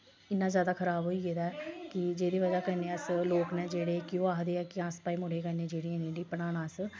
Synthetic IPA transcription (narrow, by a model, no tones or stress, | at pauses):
ɪnːãːzjaːd̪aːkʰəɾaːbɦoːiɡeːd̪aːkɪd͡ʒeːd̪iːʋəd͡ʒaːkənẽːəsloːknɛ̃ːd͡ʒeːɽeːkɪjõːaːɦd̪eːɛːkɪãːspaːiːmʊɽeːkəneːd͡ʒeːɽiːenẽːɖiːpəɽaːnãːs